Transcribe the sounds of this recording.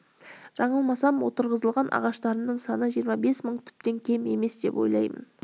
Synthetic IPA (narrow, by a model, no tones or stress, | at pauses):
ʒ̥ɑɴəlˠmɑsɑmwot̪əɾʁəzəlˠʁɑnʔɑ̰ʁɑʃt̪ɑɾənəɴsɑnəʒijəɾmɑbe̞sməɴt̪ʰʏ̥p̚t̪e̞ŋkʲʰe̞me̞̰me̞sd̪e̞̰po̞̰jlˠɑjmə̰n